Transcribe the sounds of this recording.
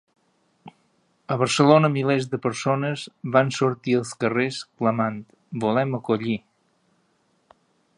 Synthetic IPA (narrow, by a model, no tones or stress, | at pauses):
əβəɾsəlonəmilezd̪əpəɾsonəzβansuɾt̪iəlˠskəreskləmant̪ | bulɛməkuʎi